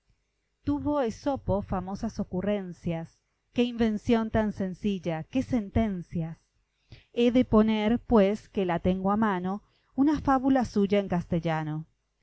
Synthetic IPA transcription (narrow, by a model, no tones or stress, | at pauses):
t̪uβo̞esopo̞famo̞saso̞kure̞nsjas | ke̞imbẽ̞nsjo̞nt̪anse̞nsiʎakesent̪ensjas | eðepo̞neɾpweskelat̪eŋɡoamano | unafaβulasuʒaeŋkast̪eʎano̞